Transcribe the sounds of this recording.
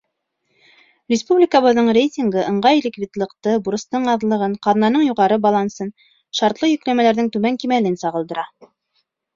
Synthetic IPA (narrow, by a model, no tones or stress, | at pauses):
rʲɪspublʲɪkəβɤ̆ðːɤɴrʲejtʲɪŋɡɤʔɤ̆ɴʁɑjelʲikvʲid̪lˠɤ̆qt̪ɤbuɾɤ̆st̪ɤɴɑðlˠɤ̆ʁɤɴqɑðnɑnɤɴjuʁɑɾɤbɑlˠɑnsɤn | ʃɑɾt̪lˠɤjɵ̆klæmælæɾðɘŋt̪ʉmæŋkimælɘnsɑʁɤ̆lˠd̪ɤ̆ɾɑ